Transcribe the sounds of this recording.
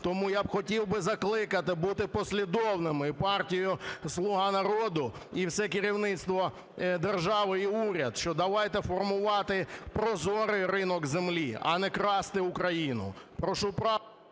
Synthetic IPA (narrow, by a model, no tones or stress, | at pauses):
t̪ɔmujabxɔtʲiwbɪzɐklˠɪkɐt̪ɪbut̪ɪpɔsʲlʲid̪ɔwnɪmɪpɑrtʲijʊslˠʊɦɑnɐɾɔd̪ʊiwsɛkɪɾʲiwnɪt̪st̪ʋɔ | d̪erʒɑʋɪiuɾʲɐd̪ʃt͡ʃɔd̪ɐʋɑjt̪ɛfɔrmʊʋɑt̪ɪpɾɔzɔɾɪɾɪnɔkzemlʲiɐ̰nɛkɾɑst̪ɪʊkɾɐjinʊ̰ | pɾɔʃupɾɑ